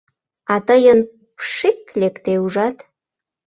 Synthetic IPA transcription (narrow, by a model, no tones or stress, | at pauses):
ɑt̪əjən | pʃiklekt̪euʒɑt̪